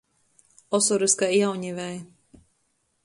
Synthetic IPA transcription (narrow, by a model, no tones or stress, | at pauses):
ɔsɔɾiskaiawɲivɛj